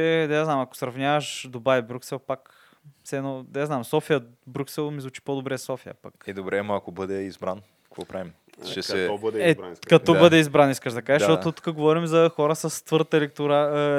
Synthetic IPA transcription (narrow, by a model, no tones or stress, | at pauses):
ɛd̪ɐaznamɐko̥sɾɐvnʲavɐʃd̪obavibɾʲuksɛlˠpak | fsɛːnɔd̪aznamsɔfijəbɾʲuksɛlˠmizvut͡ʃi̥pod̪obɾɛsɔfijə̰pɐkɛd̪obɾɛmɐɐkobɤd̪ɛizbɾankə̥kvɔ̰pɾavim | ʃɛsɛbɛɛkɐt̪ɔbəd̪ɛizbɾaniskəʃd̪ɐkaʒəʃʃt̪ɔt̪ʊt̪u̥kəɡovɔɾimzɐxɔɾəsəst̪vɤɾt̪əɛlɛk̚t̪oɾa